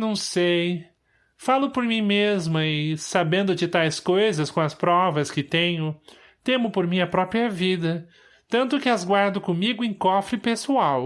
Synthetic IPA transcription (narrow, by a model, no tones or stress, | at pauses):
nɐ̃w̃sej | falʊpoɾmĩmezmɐɪsabẽnd̪ʊt͡ʃɪt̪ajskojzɐskõw̃ɐspɾɔvɐskɪt̪ẽɲʊ | t̪ẽmʊpoɾmĩɲɐpɾɔpɾiɐvid̪ɐ | t̪ɐ̃nt̪ʊkɪazɡwaɾd̪ʊkõmiɡʊẽj̃kɔfɾɪpesuaw